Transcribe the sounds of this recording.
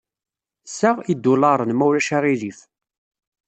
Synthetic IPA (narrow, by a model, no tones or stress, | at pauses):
saʁid̪ːʊlɑɾˤənmæwɾæʃaʁilif